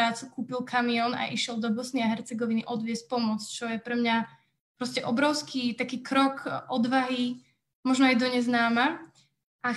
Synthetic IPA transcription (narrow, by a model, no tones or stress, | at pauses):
aːt͡sukuːpilˠkʰamiɔna̰ʔiʃɪɛlˠd̪ɔbɔsniaɦɛɾt͡sɛɡɔʋiniʔɔd̪ʋɪɛsc̚pɔmɔt͡st͡ʃɔjɛpɾɛmɲa | pɾɔscɛʔɔbɾɔʊskʰiːt̪akiːkɾɔkʔɔd̪ʋaɦi | mɔʒnɔajd̪ɔɲɛznaːma | ʔa